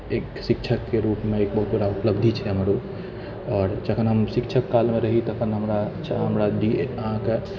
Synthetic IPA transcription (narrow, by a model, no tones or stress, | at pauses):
eːksɪkt͡ʃʰəkːeɾuːpmẽeːk̚bəɦut̪̚bəɽaupləbd̪ʱit͡ʃʰɛɦəmɾup | ɔːɾd͡ʒəkʰənɦəmʃikt͡ʃʰəkːalmẽɾəɦit̪əkʰənɦəmɾat͡ʃʰa̰ɦəmɾadiãke